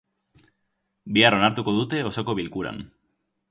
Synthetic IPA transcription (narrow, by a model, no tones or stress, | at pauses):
biaro̞naɾt̪uko̞ðut̪e̞o̞so̞ko̞βilkuɾa̰n